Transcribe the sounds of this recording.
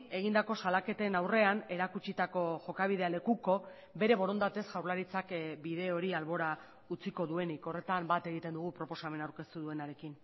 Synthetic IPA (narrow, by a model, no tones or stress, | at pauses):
e̞ɣ̞ind̪ako̞salake̞t̪enawre̞ane̞ɾakut͡ʃit̪ako̞ʝo̞kaβ̞ið̞e̞ale̞kuko̞ | be̞ɾe̞βo̞ɾo̞nd̪at̪e̞sʝawɾlaɾit͡sakbiðe̞o̞ɾialβo̞ɾa | ut͡siko̞ðue̞niko̞re̞t̪ambat̪e̞ɣ̞it̪e̞nd̪uɣ̞upɾo̞po̞same̞nawɾke̞st̪uðue̞naɾe̞kin